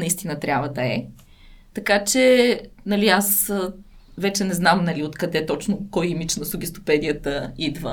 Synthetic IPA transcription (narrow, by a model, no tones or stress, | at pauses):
nɐist̪inət̪ɾʲjabvɐd̪ɐɛ̰ | t̪ɐkat͡ʃɛnɐlias | vɛt͡ʃɛnɛznamnɐliot̪kɐd̪ɛt̪ɔt͡ʃnʊkɔjimit͡ʃnɐsʊɡʲist̪o̥pɛd̪ijət̪əid̪və̰